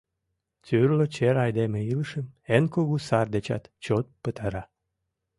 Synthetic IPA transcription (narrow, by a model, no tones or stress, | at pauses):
t͡syrlot͡ɕeɾɑjd̪emeilʃəmenkoɣusɑrd̪et͡ɕɑ̰t̪t͡ɕot̪̚pət̪əɾɑ